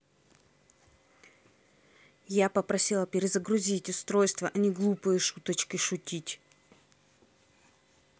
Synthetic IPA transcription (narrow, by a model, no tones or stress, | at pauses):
japəpɾɐsʲilˠəpʲɪɾʲɪzəɡɾʊzʲitʲʊst̪ɾo̞jst̪vəʔɐnʲiɡlˠupɨjəʂut̪ət͡ɕkʲɪʂʊtʲitʲ